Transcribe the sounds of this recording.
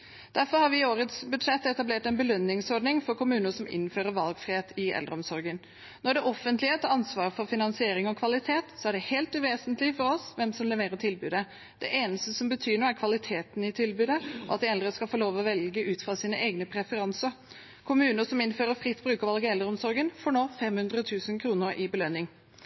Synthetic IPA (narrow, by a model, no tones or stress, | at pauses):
d̪̥æɾfɔɾhɑɾʋɪoːɾət̪sbʉd̪ʂɛt̪ːɛt̪ɑbleːʈɛnbəlœnːɪŋsɔɾɖnɪŋfɔɾkʰʊmʉːnəʂɔmɪ̰nːføːɾəɾʋɑlɡfɾɪheːt̪ʰɪɛ̰ld̪ɾəɔmsɔɾɡən | nɔɖɛʔɔfənt̪lɪət̪ʰɑɾɑnsʋɑːɾfɔɾfɪnɑnsɪeːɾɪŋɔkʰʋɑlɪt̪ʰeːt̪sɔæɖɛheːlt̪ʉʋeːsənt̪lɪfɔɾɔsʋɛmsɔmlɛʋeːɾət̪ʰɪlbʉːd̪ə | d̪̥ɛʔeːnəst̪əsɔmbət̪ʰyːnɳoːæɾkʰʋɑlɪt̪ʰeːt̪nɪt̪ʰɪlbʉːd̪əɔ̰ɑt̪̚d̪ɪɛld̪ɾəskɑlfoːloːʋɔʋɛlɡəʔʉːt̪fʁɑsiːnəʔeːɡnəpʰɾɛfəɾɑnsəɾ | kʰʊmʉːnəsɔmɪnføːɾəfɾɪt̪ːbɾʉːkɔʋɑlɡəɛld̪ɾəɔmsɔɾɡənfoːɳoːfɛmhʉnd̪ɾət̪ʰʉːsənkʰɾuːnəɾʔɪbəlœnɪŋ